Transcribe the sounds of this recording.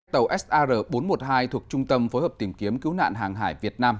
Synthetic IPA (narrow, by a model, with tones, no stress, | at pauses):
t̪ə˨˩wʔɛ˦˥sʔaː˧zəː˧˩ɓo˨˦nmo˨˩t̚haː˧jt̪ʰu˨˩ək̚t͡ɕʊ˧ŋ͡mt̪ə˧mfo˨˦jhəː˨˩p̚t̪i˧˩mki˨˦əmkɨ˨˦wna̰ː˧˨nɦaː˨˩ŋɦaː˧˩jvi˨˩ət̚naː˧m